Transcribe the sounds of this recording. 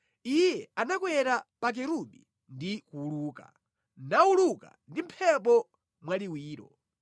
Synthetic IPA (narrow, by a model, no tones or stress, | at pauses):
ijjɛanakwɛɾapak̬ɛɾuɗi | ndikuːluːka̰ | nauluka̰ndim̩pʰɛp̬ɔ | mwaliwiːɾɔ̰